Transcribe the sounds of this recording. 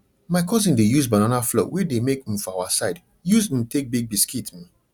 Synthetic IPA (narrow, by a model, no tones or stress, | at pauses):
maɪkʰɔzĩndejuzbananaflɔ̰wɛdemekĩm̩fɔaʊasaɪd | juzĩmtek̚biɡ̚biskitmĩ